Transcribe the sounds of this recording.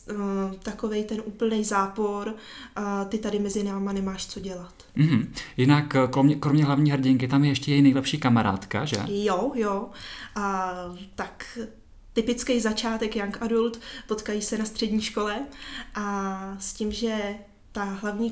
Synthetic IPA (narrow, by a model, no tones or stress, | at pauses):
t̪ako̞vɛjt̪ɛnʔuːpl̩nɛjzaːpo̞ɾ | t̪ɪt̪adɪmɛzɪnaːmanɛmaːʃt͡so̞ɟɛlat̪m̩ɦm̩jɪnakkɾomɲɛkɾomɲɛɦlavɲiːɦrɟɪŋkɪt̪amjɛjɛʃcɛjɛjnɛjlɛpʃiːkamaɾa̰ːt̪ka̰ʒɛ̰jojo | t̪ak | t̪ɪpɪt͡skejzat͡ʃaːt̪ɛkjaŋkʔadult̪po̞t̪kajiːsɛnast̪r̥ɛdɲiːʃko̞lɛʔascimʒɛ | t̪aɦlavɲiː